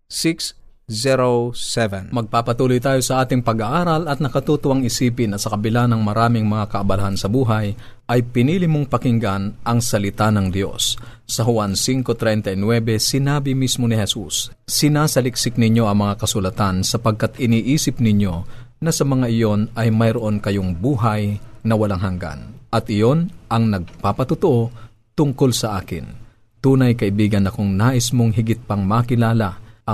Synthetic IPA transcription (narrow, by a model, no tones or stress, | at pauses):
siks | zɛɾosɛvɛnmɐɡ̚paːpɐt̪uːlojt̪aːjo̞sɐʔaːt̪ɪŋpɐɡɐʔaːɾɐlɐt̪̚nɐkɐt̪uːt̪ʊwɐŋɪsiːpɪnːɐsɐkɐbɪlanɐŋmɐɾaːmɪŋmɐŋakɐʔɐbɐlɐhansɐbuːɦɐj | ʔɐjpɪniːlɪmoŋpɐkɪŋɡanʔɐŋsɐlɪt̪anɐŋd̪jo̞̰sː | ɐɦʊwansiŋko̞t̪ɾɛjnt̪ɐjnwɛbɛsɪnaːbɪmismonɪhɛsṵsː | ɪnaːsɐlɪksɪk̚nɪɲjo̞ʔɐŋmɐŋakɐsʊlɐt̪ansɐpɐɡ̚kat̪ɪniːʔiːsɪp̚nɪɲjo̞ | nɐsɐmɐŋaʔɪjo̞nʔɐjmɐjɾoʔo̞nkɐjoŋbuːɦɐjnɐwɐlaŋɦɐŋɡa̰nʔɐt̪ʔɪjo̞nʔɐŋnɐɡ̚paːpɐt̪ʊt̪oʔo̞ | t̪ʊŋko̞lsɐʔaːkɪ̰n | t̪uːnɐjkɐʔɪbiːɡɐnɐkoŋnaːʔɪsmoŋɦɪɡɪt̪̚pɐŋmɐkɪlaːlɐʔɐ